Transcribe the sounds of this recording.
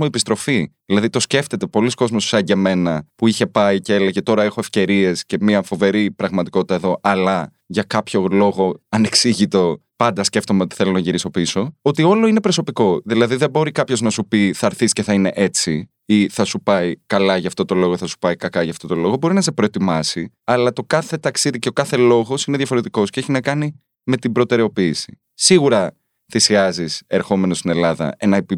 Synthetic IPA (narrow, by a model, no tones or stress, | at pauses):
muepist̪ɾo̞fiðilɐðit̪o̞sce̞ft̪e̞t̪e̞po̞lisko̞zmossɐɲɟe̞me̞nɐpuiçe̞pɐiceeleʝe̞t̪o̞ɾɐexo̞efce̞ɾie̞sce̞miɐfo̞ve̞ɾipɾɐɣmɐt̪iko̞t̪i̥t̪ɐeðo̞ʔɐlɐ | ʝɐkɐpço̞lo̞ɣo̞ɐne̞ksiʝit̪o̞ | pɐnd̪ɐsce̞ft̪o̞meo̞t̪i̥θe̞lo̞nɐʝiɾiso̞piso̞ot̪io̞loine̞pɾo̞so̞piko̞ðilɐðiðe̞bo̞ɾikɐpço̞znɐsupiθɐɾθisce̞θɐine̞̰ʔe̞t͡si | iθɐsupɐikɐlɐʝɐːft̪o̞t̪o̞lo̞ɣoiθɐsu̥pɐikɐkɐʝɐft̪o̞t̪o̞lo̞ɣo̞bo̞ɾinɐs̬epɾo̞et̪imɐsi | ɐlɐt̪o̞kɐθe̞t̪ɐksiðiceokɐθe̞lo̞ɣo̞sineðʝɐfo̞ɾe̞t̪iko̞sceeçinɐkɐni | me̞t̪ibɾo̞t̪e̞ɾeo̞piːsi̥ | siɣuɾɐ | θisiɐzise̞ɾxo̞me̞nost̪ine̞lɐðɐ̰e̞nɐepi